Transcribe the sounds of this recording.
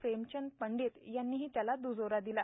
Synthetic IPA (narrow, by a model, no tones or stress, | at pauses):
fɾemt͡ɕənpəɳɖiːt̪janːiːɦiːt̪jalad̪ud͡zoɾad̪ila